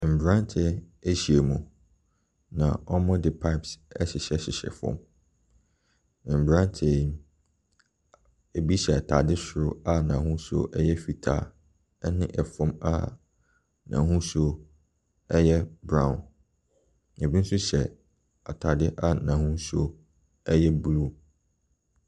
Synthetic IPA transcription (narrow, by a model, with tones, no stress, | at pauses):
m̩˨bɾã˦n˦tʰɛ˦ | e˦ɕi˨e˨mũ˨ | nã̰˨ɔ˦mɔ̃˦dɪ˨pʰa˦ɪ˦˨psɛ˦ɕɪ˨ɕɛ˦ɕɪ˨ɕɛ̰˨fɔ̰̃˦˨m˨ | m̩˨bɾã˦n˦tʰe˨˦ | e˨bi˦ɕɛ˨a˨tʰa˨dɪ˦sʊ˨ɾʊ˦a˦nã˨ɦũ˦so̰˦ʔɛ˦jɛ˦fi˨tʰa̰ː˦˨ | ɛ˦nɪ̃˦ʔɛ˨fɔ̃˦ma̰˦ | nã̰˨ɦũ˦so˦ | ɛ˦jɛ˦bɾã˦˨ʊ̃˨n | ɛ˨bi˦n̩˦sʊ˦ɕɛ˨ | a˨tʰa˨dɪ˦ʔa˦nã˨hũ˦so˦ | ɛ˦jɛ˦blu˦